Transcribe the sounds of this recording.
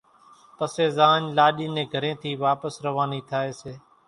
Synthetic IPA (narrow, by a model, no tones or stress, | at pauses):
pəseːzaːɲlaːɗiːnẽːɡʱəɾẽːt̪ʰiːʋaːpəsɾəʋaːniːt̪ʰaːeːseː